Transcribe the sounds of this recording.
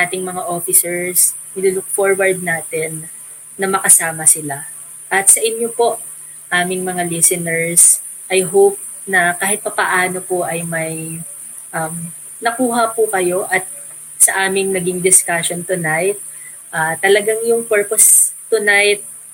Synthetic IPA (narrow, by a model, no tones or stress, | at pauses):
aːt̪ɪŋmɐŋaʔo̞ːfɪsɛɹs | ɪluːlʊk̚foɹwɐɹd̪̚naːt̪ɛnː | ɐmɐkɐsaːmɐsɪla | ʔɐt̪̚sɐʔɪɲjopo̞ʔ | ʔaːmɪŋmɐŋalisɛnɛɹs | ʔɐjɦowp̚ | nɐkaːɦɪt̪̚pɐpɐʔaːnopoʔɐjmɐj | ʔɐm | nɐkuːɦɐpʊkɐjo̞ʔɐt̪̚ | sɐʔaːmɪŋnɐɡɪŋd̪ɪskaʃont̪ʊnajt̪̚ | ʔaːt̪ɐlɐɡaŋjʊŋpɛɹpost̪ʊnajt̪̚